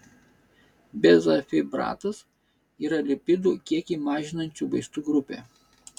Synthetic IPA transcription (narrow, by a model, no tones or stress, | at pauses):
bʲɛzɐfʲɪbɾɑ̰ːt̪ɐs | iːɾɐlʲɪpʲɪd̪ukʲiɛkʲiːmɑːʒʲɪnɐnʲt͡ʃʲuˑbɐɪst̪uːɡɾʊpʲḛː